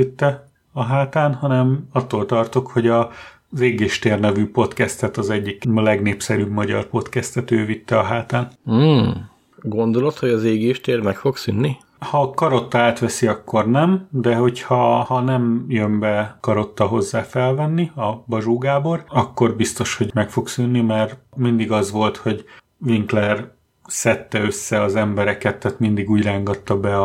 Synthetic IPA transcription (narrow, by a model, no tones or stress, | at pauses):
it̪ːɛ | ɒɦaːt̪aːnhɒnɛmɒt̪ːoːlt̪ɒrt̪okho̞ɟɒ | zeːɡeːʃt̪eːrnɛvyːpo̞t̪kɛst̪ɛt̪ɒzɛɟːiklɛɡneːpsɛɾyːbmɒɟɒ̰rpo̞t̪kɛst̪ɛt̪øːvit̪ːɛɒɦaːt̪aːn̩ː | ɡo̞nd̪o̞lo̞t̪ho̞ɟɒzeːɡeːʃt̪eːrmɛkfo̞ɡsynːi | hɒkɒɾo̞t̪ːɒaːt̪ʋɛsiɒkːo̞rnɛmd̪ɛɦo̞chɒhɒnɛmjømbɛkɒɾo̞t̪ːɒɦo̞zːaːfɛlvɛnːiɒbɒʒuːɡaːbo̞rɒkːo̞rbist̪o̞ʃho̞ɟmɛkfo̞ksynːimɛrmind̪iɡɒzʋo̞lt̪ho̞ɟ | viŋklɛr | sɛt̪ːɛø̞sːɛɒzɛmbɛɾɛkɛt̪ːaːt̪mind̪iɡuːɟraːŋɡɒt̪ːɒbɛɒ